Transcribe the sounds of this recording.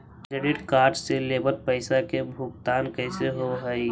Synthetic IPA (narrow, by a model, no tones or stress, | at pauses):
kɾeɖɪʈkaːɾʈseleːbəlpəɪsakebʱʊkt̪aːnkəɪseɦoɦəi